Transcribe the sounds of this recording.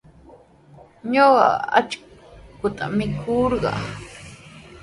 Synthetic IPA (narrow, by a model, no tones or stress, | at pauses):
ɲoɢɑ̰a̰t͡ʃkʊt̪a̰mɪkʰʊɾɢɑ̰